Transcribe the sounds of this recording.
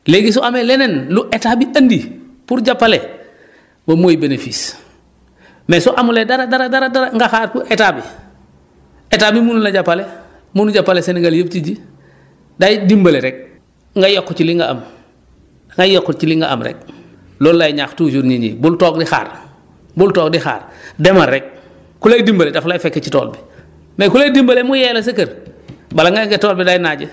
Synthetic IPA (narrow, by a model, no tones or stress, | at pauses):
leɡis̬uʔamelenenluʔetaːbiʔɐndi | puɾɟapːale | mamoːjibenefis | mesɔʔamuledaɾadaɾadaɾadaɾaŋɡaxaːɾpuʔetaːbi | etabimununaɟapːale | munuɟapːaleseneɡaljəp̚tiɟi | dajdimbɐleɾɛk̚ | ŋɡajɔkːut͡ʃiliŋɡaɐ̰m | ŋɡajokːut͡ʃiliŋɡa̰ʔa̰mɾɛ̰k̚ | loːlːajiɲaxtuːd͡ʒuɾɲiɲḭːbultoːkdixa̰ːɾ | bultɔːk̚dixa̰ːɾdemaɾːɛk̚ | kuleːdimbaledaflafekːet͡ʃito̰ːlbi | mekuledimbalemujɛːlas̬ɐkɐɾbalaŋɡaŋɡetoːlbidajnaɟi